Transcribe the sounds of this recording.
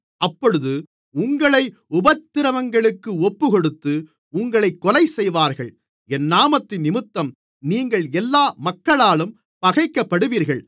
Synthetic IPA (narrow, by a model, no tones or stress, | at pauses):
ʔɐpːɔɻɯðɯ | ʊŋɡɐɭɐɪ | ʊbɐt̪ːɪɾɐmɐŋɡɐɭɯkːɯɔpːɯkɔɽɯt̪ːɯ | ʊŋɡɐɭɐɪkːɔlɐɪsɛjʋaːɾɣɐɭ | ɛnːaːmɐt̪ːɪnːɪmɯt̪ːɐm | niːŋɡɐɭɛlːaːmɐkːɐɭaːlɯm | pɐɣɐɪkːɐpːɐɽɯʋiːɾɣɐɭ